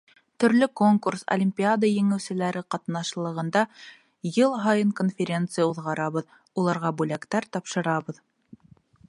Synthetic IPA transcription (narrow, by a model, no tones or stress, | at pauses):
t̪ɵ̆ɾlɵko̞ŋkurso̰lʲimʲpʲiad̪əjɘ̆ŋɘ̆wsɘ̆læɾɘqɑt̪nɑʃlˠɤ̆ʁɤ̆nd̪ɑ | jɤlˠɦɑjɤŋkonfʲeɾʲe̞nt̪sɨjauðʁɑɾɑβɤð | ulˠɑɾʁɑbʉlækt̪æɾt̪ɑpʃɤ̆ɾɑβɤ̆ð